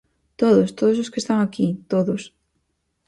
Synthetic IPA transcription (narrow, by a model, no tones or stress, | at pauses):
t̪oðost̪oðososkest̪aŋakit̪oðʊs